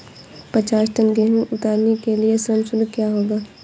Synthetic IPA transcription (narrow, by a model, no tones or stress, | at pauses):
pət͡ʃaːsʈənɡeɦneʔʊt̪aːɾnekeliesəmsʊlkjaːɦoːɡaː